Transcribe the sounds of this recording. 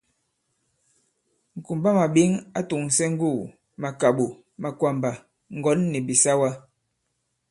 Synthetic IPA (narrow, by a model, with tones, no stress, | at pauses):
ŋ̩˨ku˨mba˦ma˨ɓi˦ŋa˦tu˨ŋ˨sɛ˦ŋ̩˦ɡu˦˨ | ma˨ka˨ɓu˨ | ma˨kwa˨mba˨ | ŋ̩˨ɡɔ˨˦nːi˨bi˨sa˦wa˦